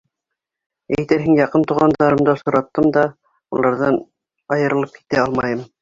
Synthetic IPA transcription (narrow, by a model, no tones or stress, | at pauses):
æjt̪æɾɦɘŋjɑqɤnt̪uʁɑnd̪ɑɾɤ̆md̪ɑsuɾɑt̪ːɤmd̪ɑ | ṵlˠɑɾðɑn | ɑjɤ̆ɾɤ̆lˠɤp̚ki̥t̪æɑlˠmɑjɤm